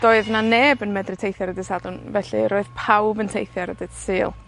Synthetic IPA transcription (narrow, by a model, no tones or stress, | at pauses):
d̥oːɨðnaneːbənmɛdrɨtʰejθjaɾədɪsadʊnvɛɬɨ̰ɾoːɨðpʰawbəntʰejθjaɾədɨd̥sɨːlˠ